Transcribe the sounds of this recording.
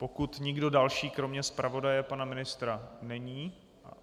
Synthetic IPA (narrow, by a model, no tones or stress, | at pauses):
po̞kut̪ɲɪɡdo̞dalʃiːkɾo̞mɲɛspɾʔavo̞dajɛpanamɪnɪst̪ɾanɛɲiː